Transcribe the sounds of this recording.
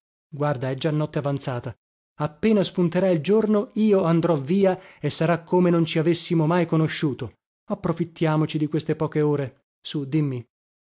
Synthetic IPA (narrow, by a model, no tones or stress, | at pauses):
ɡward̪aɛd͡ʒanːɔt̪ːeavant̪saːt̪a | apːeːnaspunt̪eɾaild͡ʒornoiːoand̪ɾɔviːaesːaɾakːomenont͡ʃiavesːimomajkonoʃːuːt̪o | apːɾofit̪ːjaːmot͡ʃid̪ikwest̪epɔːkeoːɾe | sud̪imːi